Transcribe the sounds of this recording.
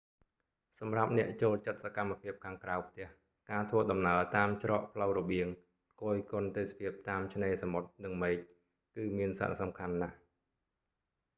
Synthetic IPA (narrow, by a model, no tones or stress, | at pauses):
sɑmrap̚nɛ̆əʔt͡ɕoːlt͡ɕət̪̚sakamːapʰiəp̚kʰaːŋkrawpʰt̪ɛ̆əh | kaːt̪ʰʋəːɗɑmnaət̪aːmt͡ɕrɑːʔpʰləwrɔɓiəŋ | koːjkŏənt̪eːsapʰiəp̚t̪aːmt͡ɕʰneːsamot̪̚nɨŋmeːc̚ | kɨːmiənsa̰ɾasɑmkʰanːah